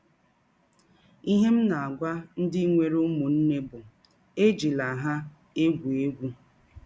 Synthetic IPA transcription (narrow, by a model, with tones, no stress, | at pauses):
i˦ɦe˦m̩˦na˨a˨ɡʷa˦n̩˦dɪ˦ŋʷe˨ɾu˦mu˨n̩˦ne˦bʊ˨ | e˦d͡ʒi˨la˨ɦa˦ | e˦ɡʷu˨e˦ɡʷu˦